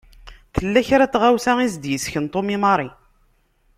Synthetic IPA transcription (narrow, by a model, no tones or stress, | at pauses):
θəlːæçɾæt͡sːʁawsæŋizd̪jəsçənt̪ˤomimɑɾˤi